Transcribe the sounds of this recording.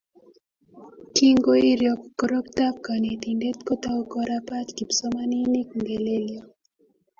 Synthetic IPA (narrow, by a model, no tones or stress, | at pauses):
kiŋɡoiɾjɔkkɔɾɔktap̚kanet̪indɛt̪kɔt̪aukɔɾapatkipsɔmaninikuŋɡɛleliɔ